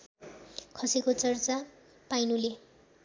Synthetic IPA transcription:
kʰʌsikot͡sʌrt͡sa | pajnule

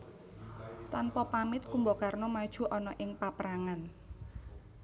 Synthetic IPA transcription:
t̪anpɔpamɪt̪̚kumboɔkarnɔmad̥ʒ̥ṳʔɔnɔʔɪŋpapəɾaŋan

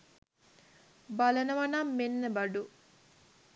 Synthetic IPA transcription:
balɐnəʋɐnɐmːenːəbɐɖu

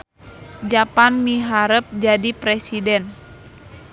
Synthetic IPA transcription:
d͡ʒapanmiɦaɾəp̚d͡ʒadipɾɛsidɛn

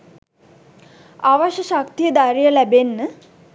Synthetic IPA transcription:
aʋaʃəʃakt̪ijəd̪aɾijəlæbenːə

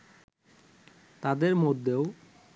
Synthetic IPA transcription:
t̪ad̪eɾmod̪ʱːeo

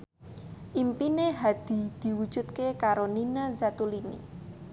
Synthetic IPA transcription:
ʔimpineɦad̪̥i̤d̪̥i̤wud̥ʒ̥ṳt̪̚kekaɾoninazat̪ulinḭ

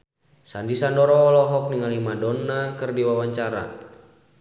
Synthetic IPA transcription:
sandisandɔɾɔːlɔɦɔk̚niŋalimadɔnːakɨrdiwawaɲt͡ʃaɾa̰

